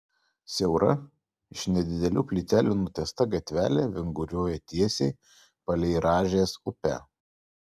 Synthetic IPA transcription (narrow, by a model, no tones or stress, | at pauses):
sʲɛʊɾɐ̰ | ɪʃnʲɛd̪ʲɪd̪ʲɛlʲuːpʲlʲit̪ʲæːlʲunuːt̪ʲɛst̪ɐɡɐt̪ʲʋʲæ̰ːlʲeːʋʲɪŋɡʊɾʲuɔjɛt̪ʲiɛsʲɛɪ | pɐlʲɛɪɾɑːʒʲeːsʊpʲæ̰ː